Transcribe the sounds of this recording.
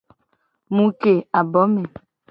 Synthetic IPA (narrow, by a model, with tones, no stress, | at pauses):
mũ˨ke˨a˨bɔ˨˦me˨